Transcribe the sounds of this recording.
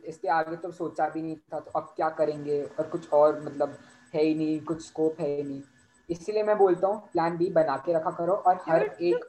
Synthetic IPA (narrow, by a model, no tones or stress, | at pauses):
ɪst̪eaːɡet̪oɐsoːt͡ʃabʱinɐɦĩt̪ʰat̪oʔɐb̚kjaːkɐɾẽːŋɡeːɔːɾkʊt͡ʃʰɔːɾmɐt̪ləb | ɦɛinɐɦĩkʊt͡ʃʰskoːpɦɛinɐɦĩ | ɪsliemɛ̃boːlt̪aɦũplɛːnbʱibɐnaːkeɾɐkʰakɐɾoʔɔːɾhɐɾeːk